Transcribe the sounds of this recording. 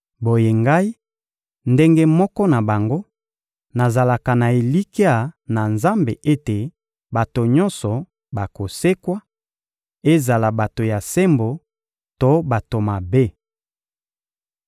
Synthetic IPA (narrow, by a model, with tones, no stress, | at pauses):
bo˨je˨ŋɡa˦i˦ | nde˦ŋɡe˦mɔ˦kɔ˦na˨ba˨ŋɡo˦ | na˨za˨la˨ka˨na˨e˨li˦ki˦a˨na˨nza˦mbe˨e˦te˨ | ba˨to˨ɲɔ˦nsɔ˨ | ba˨ko˨se˦kwa˦ | e˦za˨la˨ba˨to˨ja˨se˦mbo˨ | to˦ba˨to˨ma˨be˦